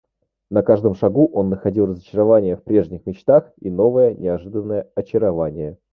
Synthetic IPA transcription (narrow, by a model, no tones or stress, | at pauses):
nɐkaʐd̪əmʂɐɡuʔo̞nːəxɐdʲilˠrəzət͡ɕɪɾɐvanʲɪjəfpɾʲe̞ʐnʲɪxmʲɪt͡ɕt̪axino̞vəjənʲʔɪɐʐɨd̪ənːəjəɐt͡ɕɪɾɐvanʲɪjə